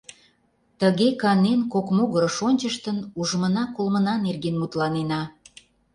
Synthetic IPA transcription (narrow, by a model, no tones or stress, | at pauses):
t̪əɣekɑnenkokmoɣəɾəʃonʲt͡ɕəʃt̪ənuʒəmənɑkolmənɑnerɣenmut̪lɑnenɑ